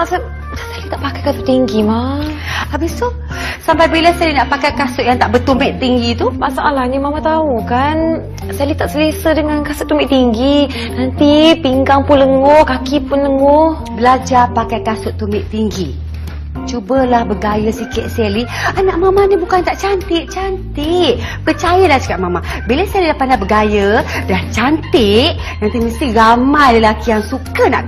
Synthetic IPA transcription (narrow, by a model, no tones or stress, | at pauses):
asa | asalit̪aʔpakajkasʊʔt̪iŋɡima | abisu | sampajbilasɛlinaʔpakajkasʊʔjaŋt̪aʔbət̪umɪʔt̪iŋɡit̪umasaʔalahɲəmamat̪aukan | salit̪aʔsəlesədəŋankasʊʔt̪ːumɪʔt̪iŋɡi | nant̪ipiŋɡaŋpunləŋohkakipʊnləŋoh | bəlad͡ʒapakajkasʊʔt̪ːumɪʔt̪iŋɡi | t͡ʃubəlahbəɡajəsikɪt̪̚sɛlianaʔmamaɲəbukant̪aʔt͡ʃant̪ɪʔt͡ʃant̪iʔpət͡ʃajəlaht͡ʃu̥kaʔmamabiləsɛlidahpandabəɡajədaht͡ʃant̪ɪʔ | nant̪iməst̪iɾamajləlakijaŋsukəna̰ʔ